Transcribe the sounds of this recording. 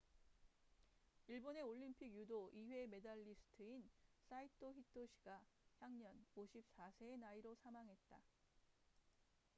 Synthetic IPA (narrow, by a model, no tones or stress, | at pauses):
iɭbone̞oʎːimpʰiɡjudoʔiɸwe̞me̞daɭːisʰɯ̥tʰɯins͈aitʰoçitʰoɕʰi̥ɡ̥açjaŋɲʌnoɕʰip̚s͈asʰe̞ːnaiɾosʰamaŋɦe̞t̚t͈a